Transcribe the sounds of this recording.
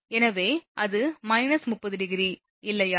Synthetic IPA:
ɛnɐʋeːʔɐðɯmɐɪnɐsmʊpːɐðɯɖɪɣɪɾi | ɪlːɐjaː

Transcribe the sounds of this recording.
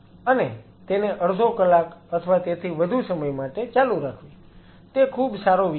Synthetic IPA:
əne | t̪eneʔəɾd̪ʱokəlakət̪ʰəʋat̪et̪ʰiʋəd̪ʱusəməjmaʈet͡ʃaluɾakʰʋi | t̪ekʰubsaɾoʋ

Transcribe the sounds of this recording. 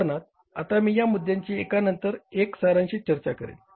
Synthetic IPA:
nat̪̚ | a̰t̪amiːjamud̪jaɲt͡ɕiːekanənt̪əɾeksaɾaɲɕiːt͡ɕəɾt͡ɕakəɾḛl

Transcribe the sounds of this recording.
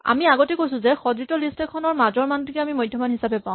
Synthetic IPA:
a̰miaɡɔtɛkojsʊ̃zɛxɔdɹitɔlistɛkʰːɔnɔɹmazɔɹmantikɛamimojdʱjɔmanɦisabɛpãʊ̃

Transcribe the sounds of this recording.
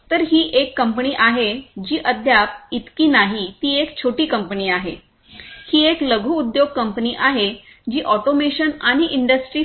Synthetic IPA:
t̪əɾɦiːʔekːəmpəniːʔaɦed͡ʑiːʔəd̪ʱjap̚it̪kiːnaɦit̪iːekt͡ɕʰoʈiːkəmpəniːaɦe | hiːekləɡʱuːd̪joɡ̚kəmpəniːʔaɦe | d͡ʑiːʔɔʈomeɕənaɽ̃iʔiɳɖəsʈɾiː

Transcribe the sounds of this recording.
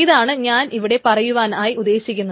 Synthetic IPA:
iðaːɳɨɲaːnʔiʋiɽe̞pɐrɐjuʋaːnaːjiud̪ːe̞ːɕikʲːunːɐð

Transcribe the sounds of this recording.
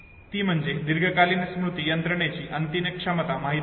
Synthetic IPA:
t̪iːm̤əɳd͡zed̪iɾɡʱəkalinsmɾut̪ijənt̪ɾəɳet͡ɕiːʔənt̪iməkʂəmət̪amaɦi

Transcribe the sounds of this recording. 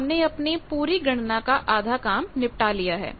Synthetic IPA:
mneɐpnipuːɾiɡʱɐɽ̃nakaʔaːd̪ʱakaːmnɪpʈalijaɦɛ̰ː

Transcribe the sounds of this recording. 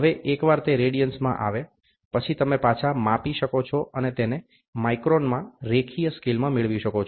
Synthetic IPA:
ɦəʋeʔekʋaɾt̪eɾeɽijənsmã̰ʔa̰ʋe | pət͡ʃʰit̪əmepat͡ʃʰamapiʃəkot͡ʃʰɔʔənet̪ene | maikɾonmãɾekʰijəskilmãmɪɭʋiʃəkot͡ʃʰ

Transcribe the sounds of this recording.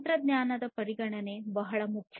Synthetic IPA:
t̪ɾɐd̪njaːnɐd̪ɐpɐɾiɡɐɳɐne̞bɐɦɐɭɐmukʰj

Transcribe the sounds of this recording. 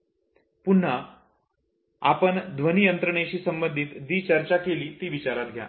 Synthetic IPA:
pun̤ːa | apəɳd̪ʋənijənt̪ɾəɳ̃eɕiːsəmbənd̪ʱit̪d̪iːt͡ɕəɾt͡ɕakeliːt̪iːʋit͡ɕaɾat̪ɡʱja̰

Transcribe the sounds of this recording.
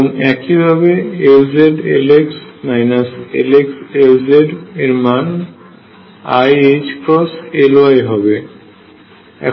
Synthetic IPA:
nɛkibʱaβɛewzedeleksnajnasḛleksewzedeɹman | ajet͡ʃkɹɔselʊajɦɔbɛ | ɛ̰

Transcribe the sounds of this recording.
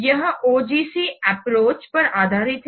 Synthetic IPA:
jɐɦoːd͡ʒiːsiːɛpɾoːt͡ʃpɐɾaːd̪ʱaːɾit̪

